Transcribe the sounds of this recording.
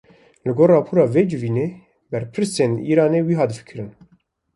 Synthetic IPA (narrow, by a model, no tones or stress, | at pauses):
lɨɡoːɾrɑːpʰuːɾɑːved͡ʒɨviːneː | bɛɾpʰɨɾsenḭːɾɑːneːwiːɦɑːd̪ɨfɨ̥kʰɨɾɨn